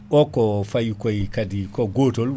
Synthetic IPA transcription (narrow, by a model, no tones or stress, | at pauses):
ɓɔkɔfajkɔjkadikɔɡoːtɔl